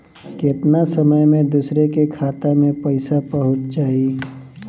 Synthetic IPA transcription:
kɪt̪nasəməjmẽd̪uːsɾekekʰaːt̪amẽpɐɪsapɐɦʊt͡ʃt͡ʃaːɦi

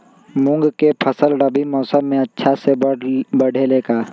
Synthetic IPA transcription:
mʊ̃ŋɡkepʰɐsəlɖəbimɔːsəmːẽɐtːʃʰasebɐɽ̤ʱeleːkaː

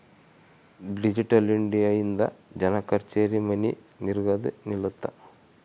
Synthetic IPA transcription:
ɖid͡ʑiʈːɐliɳɖijɐjind̪ɐd͡ʑɐnɐkːɐɾt͡ʃeːɾimɐni | niɾɡɐd̪ɨniɭut̪ːɐ

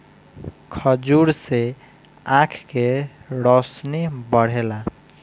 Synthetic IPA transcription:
kʰəd͡ʒuɾse | ãkʰkeɾɔsnebəɽ̤ela

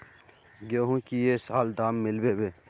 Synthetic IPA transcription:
ɡeɦũkijesaːld̪aːmːɪlweweː

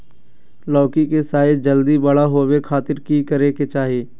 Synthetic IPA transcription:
lɔːkikesaːɪd͡ʒd͡ʒəld̪ibɐɽaɦoːwekʰaːt̪ɪɾkikəɾeːket͡ʃaːɦijeː

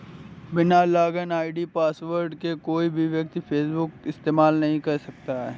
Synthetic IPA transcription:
bɪnalaːɡənaːɪɖipaːsʋəɾɖkekoːibʱiʋjɐk̚t̪ipʰeːsbʊkɪst̪eːmaːlnɐɦĩkɐɾsɐk̚t̪aɦɛː

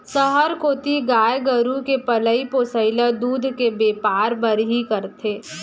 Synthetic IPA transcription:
səɦəɾkoːt̪iɡaːjɡəɾũkepɐləipoːsəɪləd̪uːd̪ʱkebeːpaːɾbɐɾɦikɐɾt̪ʰeː

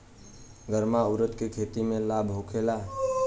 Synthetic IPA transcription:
ɡəɾmauɾət̪kekʰet̪imẽlabʱɦokʰela

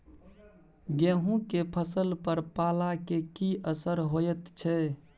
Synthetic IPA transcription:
ɡẽɦũkepʰəsəlpəɾpalakekiʔəsəɾɦojɛt̪t͡ʃʰɛ

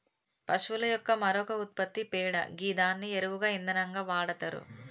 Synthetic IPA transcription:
pɐʂʋulɐjɔkːɐmɐɾɔkɐut̪̚pɐt̪ːipɛːɽɐ̰ɡiːd̪aːnːieɾuʋuɡaːind̪ɐnɐŋɡaːʋaːɽɐt̪ɐɾṵ

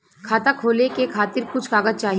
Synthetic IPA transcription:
kʰaːt̪akʰoːlekekʰaːt̪ɪɾkʊt͡ʃʰkaːɡəd̪̚t͡ʃaːɦi

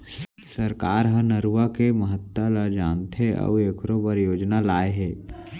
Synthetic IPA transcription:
səɾkaːɾɦənəɾuakeməɦət̪ːalad͡ʒaːnt̪ʰeɔ̰eːkʰɾobəɾjoːd͡ʒnalaːeɦeː

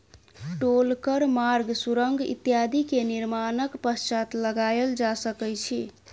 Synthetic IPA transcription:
ʈolkəɾmaɾɡsuɾəŋɡḭt̪jad̪ʱikeniɾmanəkpəst͡ʃat̪ləɡajeld͡ʒasəkɛjt͡ʃʰi

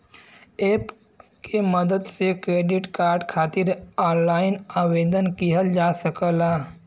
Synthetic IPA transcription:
eːp | keməd̪əd̪sekɾeːɖɪʈkaːɾɖkʰaːt̪ɪɾɔːnlaːɪnaːweːd̪ənkiɦəld͡ʒaːsəkəlaː

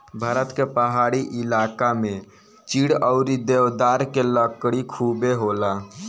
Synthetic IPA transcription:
bʱaːɾət̪kepəɦaɽiʔilakamẽ | t͡ʃiɽəʊɾid̪ewd̪aɾkeləkɽikʰubeɦola

